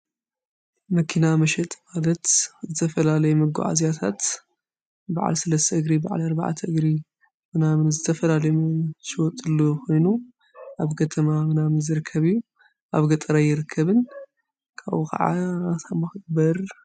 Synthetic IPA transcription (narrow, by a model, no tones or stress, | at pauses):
mɐkʰinamɐʃɛt̪ʼmalɐt̪zɨt̪ʰɐfɐlalɐjɛmɐɡṵʕa̰zjat̪ʰat̪ | baʕa̰lsɐlɐst̪ʰɐʔɨɡɾibaʕa̰lɐɾba̰ʕa̰t̪ʰɐʔɨɡɾi | mɨnamnzɨt̪ʰɐfɐlalɐjmʃɪwɔt̪ʼːɨlːokʰo̞jnu | ʔaβkʰɐt̪ʰɐmamɨnamɨnzɨɾɨkʰːɐβijːu | ʔaβɡɐt̪ʼɐɾajːɪɾɨkʰːɐβɨn | kʰa̰βkʰɐ̰ʕa̰t̪ʰamɐxɨbɐɾ